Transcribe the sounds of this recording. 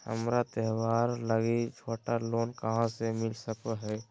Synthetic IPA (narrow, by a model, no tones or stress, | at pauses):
hə̰mɾat̪ɛɦwaːɾləɡid͡ʒʰʱoːʈaloːnkəɦãsemɪlsəkɦɛː